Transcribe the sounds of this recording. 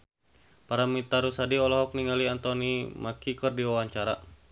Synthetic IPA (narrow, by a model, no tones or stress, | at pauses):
paɾamit̪aɾusadiɔlɔɦɔk̚niŋaliant̪ɔnimakikərdiwawaɲt͡ʃaɾa̰